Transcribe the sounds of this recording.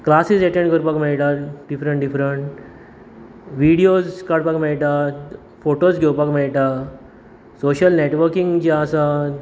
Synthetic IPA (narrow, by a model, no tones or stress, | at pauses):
klasiseʈẽɳɖkəɾupakmeɭʈaɖifɾəɳʈɖifɾəɳʈ | ʋiɽiod͡zkaɽpakmeɭʈa | foʈosɡʱewpakmeɭiʈa | soɕəlneʈʋəɾkiŋɡd͡ʑaəsa